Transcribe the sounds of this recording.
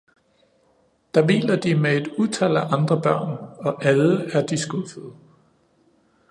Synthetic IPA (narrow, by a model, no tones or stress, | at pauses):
d̥ɑ̈ʋḭːlɐd̥imee̝d̥ut͡sʰæl̰æʔɑ̈nd̥ʁɐb̥ɶɐ̰nɒ̽ʔæləæɐd̥isɡ̥ofəð̩ˠ